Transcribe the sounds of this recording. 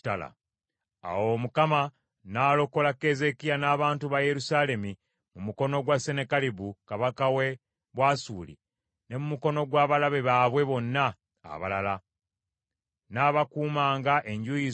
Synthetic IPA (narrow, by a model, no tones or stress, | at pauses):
tala̰ | a̰womukama | naːlo̞ko̞lakːe̞ze̞kijanaːβaːntuβaje̞ɾusaːle̞mi | mumuko̞no̞ɡwase̞ne̞kaliβukaβakawe̞ | βwasuːlḭ | ne̞mumuko̞no̞ɡwaːβalaβe̞βaβwe̞βo̞nːa̰ː | βa̰lala | naβakuːmaːŋɡaʔe̞ɲɟujiz